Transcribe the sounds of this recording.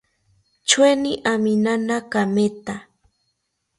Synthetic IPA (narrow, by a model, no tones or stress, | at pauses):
t͡ʃweniʔaminanakamet̪a